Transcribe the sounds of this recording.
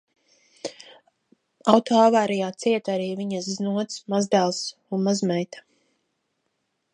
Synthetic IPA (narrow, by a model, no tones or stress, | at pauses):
awt̪ɔavaːɾijaːt̪siɛt̪aɾiːviɲasznuɔt̪smazd̪ælˠsunmazmɛjt̪ḁ